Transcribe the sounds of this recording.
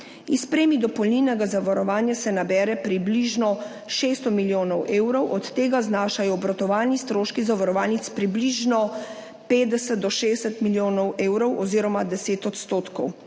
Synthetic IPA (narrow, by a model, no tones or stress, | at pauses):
ispɾeːmid̪ɔpɔlninɛɡazaʋɔɾɔʋaːnjasɛnabɛːɾɛpɾibliʒnɔ | ʃeːst̪ɔmiljoːnɔwʔeːwɾɔwʔɔt̪ːeːɡaznaːʃajɔbɾɔt̪ɔʋaːlnist̪ɾoːʃkizaʋɔɾɔʋaːlnit̪spɾibliʒnɔ | peːd̪ɛsɛd̪̚d̪ɔʃeːsɛt̪miljoːnɔweːwɾɔwʔɔziːɾɔmad̪ɛseːt̪ɔt̪st̪oːt̪kɔw